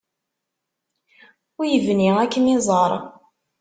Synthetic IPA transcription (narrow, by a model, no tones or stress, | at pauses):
ʊjəvniækːənizˤəɾˤ